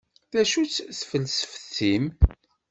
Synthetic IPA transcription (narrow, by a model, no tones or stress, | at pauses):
θæʃut͡sːθfəlsə̥fəθim